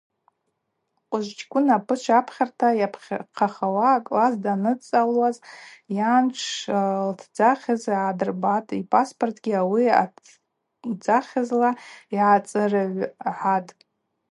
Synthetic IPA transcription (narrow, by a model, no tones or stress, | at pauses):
qʷʼʊʒʷt͡ʃkʷʰʼʊnapʰɨt͡ʃʷʰapʰχʲartʰajapʰχqʰaχawakʼlazdanɨt͡sʼalwazjanʈ͡ʂʰltʰd͡zaχʲazadɨrbatʼipʼaspʼortʰɡʲiawia̰ | d͡zaχʲazlaiʕat͡sʼɨrɨʕʷħatʼ